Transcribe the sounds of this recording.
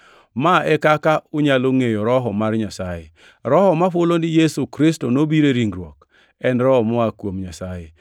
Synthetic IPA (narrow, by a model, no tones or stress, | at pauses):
maɛkakaʊɲaloŋejoɾɔɦɔmarɲasaje | ɾɔhɔmaɸolonɪjesukɾɪstonobiɾeɾiŋɡɾwɔk | ɛnɾɔɔmɔakwomɲasaje